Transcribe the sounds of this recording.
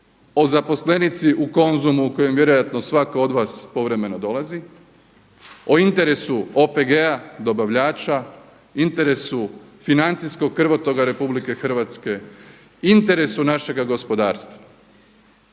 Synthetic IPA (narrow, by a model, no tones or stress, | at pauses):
o̞zapo̞sle̞nit̪siʔuko̞nzumuːko̞je̞mvje̞ɾo̞jat̪no̞sʋakoo̞d̪ʋaːspo̞ʋɾe̞me̞no̞d̪o̞lazi | o̞int̪e̞ɾe̞suo̞pe̞ɡead̪o̞baʋʎaːt͡ʃa | int̪e̞ɾe̞sufinant̪sisko̞ɡkːr̩ʋo̞t̪o̞ɡaɾe̞publike̞xr̩ʋat̪ske̞ | int̪e̞ɾe̞sunaʃe̞ɡaɡo̞spo̞d̪aːɾst̪ʋa